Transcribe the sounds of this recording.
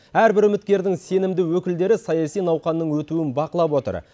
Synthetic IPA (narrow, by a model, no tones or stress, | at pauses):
æɾbɪɾʏmɪt̪̚kʲe̞ɾd̪ɪŋse̞nɪmd̪ɪwɵkʲɪld̪e̞ɾɪsɑjɑsijnɑwqɑnːəɴwɵt̪uwɪnbɑqəlˠɑpwo̞t̪ə̰ɾ